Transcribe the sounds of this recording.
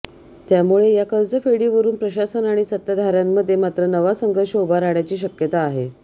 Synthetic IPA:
t̪jamuɭejakəld͡zəfeɽiʋəɾuːnpɾəɕasənaɽ̃isət̪ːjad̪ʱaɾjamːəd̪ʱːjemat̪ɾənəʋasəŋɡʱəɾɕəobʱaɾaɳjat͡ɕiːɕəkjət̪aːɦe

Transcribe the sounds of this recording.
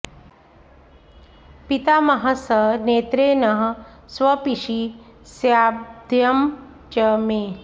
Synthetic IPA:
pit̪amɐɦəsəneːt̪ɾeːnɐɦsʋɐpiʃisjad̪ʱjɐm | t͡ʃəmeː

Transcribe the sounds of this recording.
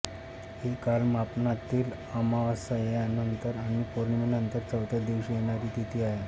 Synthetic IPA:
hekalmapnat̪ːiːl | amaʋasəjanənt̪əɾaɽ̃ipoɾɳminənt̪əɾt͡səwt̪ʰəd̪iʋɕejeɽ̃aɾit̪it̪ʰiaɦe

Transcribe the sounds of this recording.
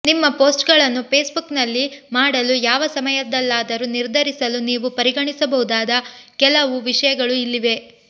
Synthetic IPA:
nimːɐpoːsʈɡɐɭɐnːupeːsbuknɐlːimaːɽɐlujaːʋɐsɐmɐjɐd̪ɐlːaːd̪ɐɾuniɾd̪ʱɐɾisɐluniːʋupɐɾiɡɐɳisɐbɐɦud̪aːd̪ɐkɛlɐʋuʋiʂɐjɐɡɐɭuilːiʋe̞

